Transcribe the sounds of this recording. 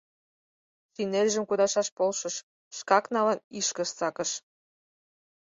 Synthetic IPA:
sinelʲʒə̆mkud̪ɑʃɑʃpolʃɤ̆ʃ | ʃkɑknɑləniʃkə̆ʃt͡sɑkə̆ʃ

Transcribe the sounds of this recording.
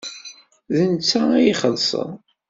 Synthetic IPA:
ðənt͡sːææjiχəlsˤə̰ðˤ

